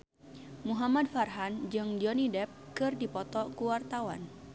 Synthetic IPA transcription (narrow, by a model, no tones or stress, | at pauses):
muɦamadfarɦand͡ʒɨŋdiɔnidɛp̚kɨrdipɔt̪ɔkuwart̪awan